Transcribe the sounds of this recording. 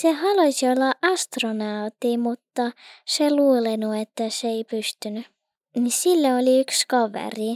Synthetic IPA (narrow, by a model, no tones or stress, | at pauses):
sehɑlusiolːɑʔɑst̪ronɑut̪ːimut̪ːɑseluːlenuet̪ːæseeipyst̪yny | nisilːooliykskɑʋḛri